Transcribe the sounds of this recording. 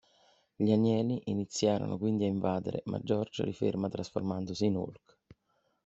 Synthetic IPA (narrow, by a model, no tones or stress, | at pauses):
ʎianjɛːliʔinit̪sːjaːɾo̰nokwind̪iaiɱvaːd̪ḛɾḛmʔa̰d͡ʒːɔrd͡ʒo̰ɾifḭrmat̪ɾasfo̰rmand̪ʊsiːnṵlk